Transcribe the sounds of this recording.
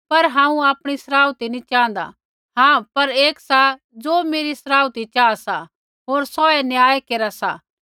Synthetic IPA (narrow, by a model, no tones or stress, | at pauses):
pɐɾɦãːũaːpɽ̃isɐɾaːut̪inĩt͡ʃãːnd̪a̰ | ɦãpɐɾeːksa | d͡zoːmeːɾisɾaːut̪it͡ʃaːasa | ɦoːɾsɔːɛnjaːekeːɾasa̰ː